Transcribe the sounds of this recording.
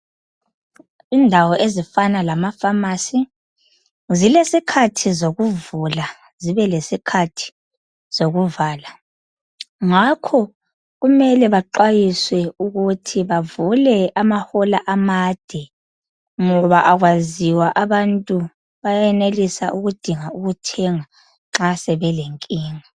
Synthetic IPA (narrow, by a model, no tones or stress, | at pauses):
indʱawɔʔezifanalamafamasi | zilesikʰatʰizoɣuvula | ziβɛlesikʰatʰi̥ | z̥oɣuvaːla | ŋakʰɔ | ɣumɛlɛβaǃwajiswɛuɣutʰiβavulɛamahɔlaʔamad̥ʱɛ | ŋɔβaʔaɣwaziwaʔaβantʼu | βajajɛnelisa̰ʔuɣud̥ʱiŋauɣutʰɛŋa | ŋ͡ǁasɛβɛleŋkʼiːŋa